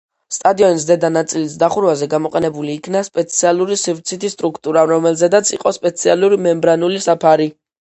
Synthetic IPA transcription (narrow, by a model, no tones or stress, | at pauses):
st̪ʼad̪iɔnis̬d̪ɛd̪anat̪sʼilisd̪aχuɾvazɛɡamɔqʼɛnɛbuliːkʰnaspʼɛt̪sʰialˠuɾisivt̪sʰit̪ʰist̪ʼɾukʰt̪ʼuɾaɾɔmɛlzɛd̪at̪sʰḭqʼɔspʼɛt̪sʰialˠuɾimɛmbɾanulisapʰaɾi